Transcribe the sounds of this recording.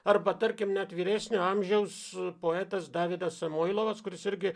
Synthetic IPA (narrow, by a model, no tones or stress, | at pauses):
ɐɾbɐt̪ɐɾʲkʲɪmnʲɛt̪ʋʲiːɾʲæːsʲnʲʊɐmʲʒʲɛʊspoːɛːt̪ɐsd̪ɑːʋʲɪd̪ɐssɐmoːɪlˠoːʋɐskʊɾʲɪsɪɾʲɡʲɪ